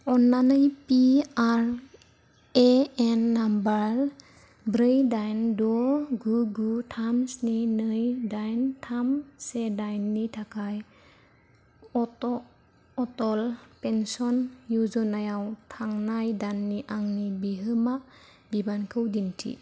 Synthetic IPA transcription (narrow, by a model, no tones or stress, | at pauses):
ɔnːanɯjpiaɾ | eenːambaɾ | bɾɯjdajndɔɡuɡutʰamsninɯjdajntʰamsedajnːitʰakʰaj | tɔ | ɔtɔlpensɔnjuzɔnajawtʰaŋnajdanːiʔaŋnibiɦɯma | bibankʰɯwdintʰḭ